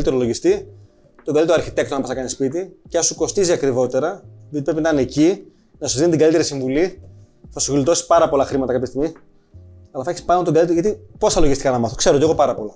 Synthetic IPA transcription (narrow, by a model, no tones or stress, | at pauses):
lit̪e̞ɾolo̞ʝist̪i | t̪oɡɐlit̪ɾoɐɾçit̪ekt̪onɐpɐsnɐkɐnispit̪icɐsuko̞st̪iziɐkɾivo̞t̪eɾɐjot̪ipɾepinɐt̪ɐneci | nɐsuzðinet̪iɡɐlit̪e̞ɾisiɱvuli | θɐsuvilit̪o̞si̥pɐɾɐpo̞lɐxɾimɐt̪ɐkɐpçest̪iɣmi | ɐlɐθeçispɐnot̪oɡɐlit̪eɣɐt̪ipo̞sθɐlo̞ʝist̪ikɐnɐmɐθokse̞ɾot̪eɣo̞pɐɾɐpo̞lo